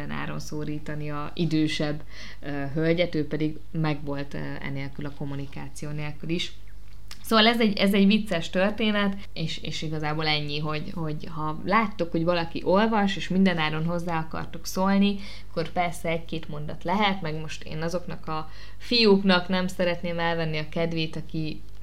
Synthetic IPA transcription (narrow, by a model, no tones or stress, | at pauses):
ɛna̰ːɾo̞̰nsoːɾiːt̪ɒniɒ | id̪øːʃɛbː | ø | ɦølɟɛt̪øːpɛd̪iɡ | mɛɡvo̞lt̪ | ɛ̰neːlkylɒko̞mːunikaːt̪sijoːneːlkyliʃ | soːvɒlɛzɛɟɛzɛɟʋit̪sɛʃt̪ø̞rt̪eːnɛt̪ | eːʃḛːʃiɡɒzaːboːlɛɲːiɦo̞ɟho̞ɟhɒ | laːt̪ːukho̞ɟvɒlɒkiʔo̞lvɒʃeːʃmind̪ɛnaːɾo̞nɦo̞zːaːɒkɒ̰rt̪uksolni | ɒkːo̞rpɛrsɛɛckeːt̪mo̞nd̪ɒt̪lɛɦɛt̪mɛɡmo̞ʃt̪ḛːnɒzo̞knɒkɒ | fijuknɒknɛmsɛɾɛt̪neːmɛlvɛnːiɒkɛd̪ʋeːt̪ɒki